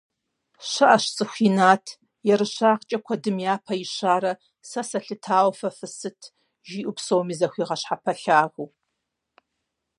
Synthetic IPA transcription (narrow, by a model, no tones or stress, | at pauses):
ɕɐʔɐʃt͡sʼɨxʷiːnaːtʰ | jɛɾɨɕaːqt͡ʃʼɐkʷʰɐdɨmjaːpʰɐiɕaːɾɐ | sɐsɐɬɨtʰaːwfɐfɨsɨtʰ | ʒiːʔʷʊpsowmiːzɐxʷiːʁɐɕħapʰɐɬaːʁʷuː